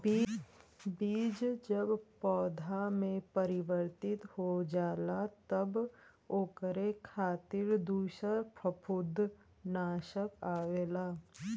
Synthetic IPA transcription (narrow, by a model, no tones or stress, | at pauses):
biːd͡ʒd͡ʒəbpɔːd̪ʱamẽpəɾɪʋəɾt̪ɪt̪hod͡ʒaːlat̪əb | oːkəɾekʰaːt̪ɪɾd̪uːʃəɾpɾəpʰʊd̪ʱː | naːʃəkaːʋeːlaː